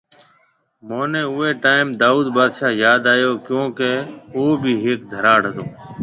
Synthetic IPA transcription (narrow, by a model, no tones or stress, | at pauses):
moːnẽːʊːeːʈaːɪmd̪aːuːd̪ɓaːd̪ʃaːjaːd̪aːjoːkjõːkeoːbʱiːɦeːk̚d̪ʱəɾaːɽ̤əd̪oː